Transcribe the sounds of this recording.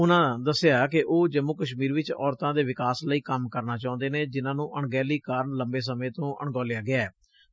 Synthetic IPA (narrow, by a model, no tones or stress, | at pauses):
ʊnãːd̪əsɪjaːkɪʔoːd͡ʒəmːukəʃmiːɾʋɪt͡ʃɔ̰ːɾt̪ãːd̪eːʋɪkaːsləiːkəmkəɾnaːt͡ʃãːʊ̃nd̪eːneːd͡ʒɪnãːnũːʔəɳɡɛːliːkaːɾəɳləmbeːs̬əmẽːt̪õːʔə̰ɳɡɔːlɪjaːɡɪaːɛː